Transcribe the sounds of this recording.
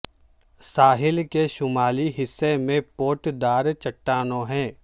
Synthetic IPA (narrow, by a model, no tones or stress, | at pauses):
saːɦɪlkeʃʊmaːliɦɪsːemẽpoːʈd̪aːɾt͡ʃɐʈːaːnõɦɛ̃ː